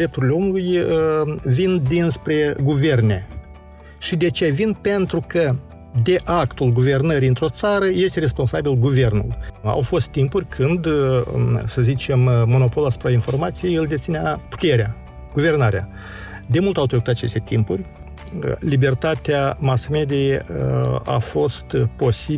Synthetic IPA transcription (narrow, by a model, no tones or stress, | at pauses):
dɾe̞p̚t̪uɾilʲeomuluj | vind̪inspɾe̞ɡuve̞rne̞ | ʃid̪eat͡ʃevinpe̞nt̪ɾukə | d̪e̞ʔakt̪ulɡuve̞rnəɾiɨnt̪ɾo̞t̪saɾəje̞st̪ere̞spo̞nsabilɡuve̞rnṵla̰wfo̞st̪ːimpurʲkʰɨnd̪ | səzit͡ʃe̞mːo̞no̞po̞lasu̥pɾainfo̞rmat̪sijejɨld̪et̪sineapu̥t̪e̞ɾʲea | ɡ̥uve̞rnaɾʲea | d̪e̞mult̪awt̪ɾekut̪at͡ʃe̞st̪e̞t̪impurʲ | libe̞rt̪at̪eamasme̞d̪i | a̰fo̞st̪po̞si